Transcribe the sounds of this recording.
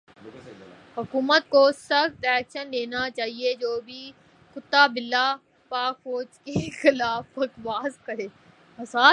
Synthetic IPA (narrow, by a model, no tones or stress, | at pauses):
hʊkuːmət̪̚kosɐkt̪ɛːkʃənleːnat͡ʃaːɦied͡ʒoːbʱi | kʊt̪ːabɪlːa | paːkfoːd͡ʒkexɪlaːfɐkʋaːzkəɾeː | ɐsaː